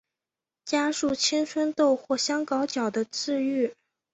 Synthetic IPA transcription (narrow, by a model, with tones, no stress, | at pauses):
t͡ɕja˥ʂu˥˩t͡ɕʰi˥nt͡sʰwə˥nt̪o˥˧ʊxwɔ˥˩ɕjɑ˥ŋkɑ˧˥ʊt͡ɕjɑ˨˩ʊd̪ə˦t͡sɹ̩˥˧y˥˩